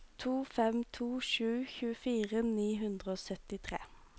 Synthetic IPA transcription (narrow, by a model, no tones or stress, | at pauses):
t̪ʰuːfɛmt̪ʰuːʃʉːçʉːəfiːʁəniːɦʉnd̪ʁəoːsœt̪ɪt̪ʰʁḛː